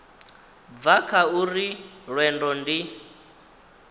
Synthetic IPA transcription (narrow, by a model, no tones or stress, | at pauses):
b̪vakʰauriɺwɛndɔndi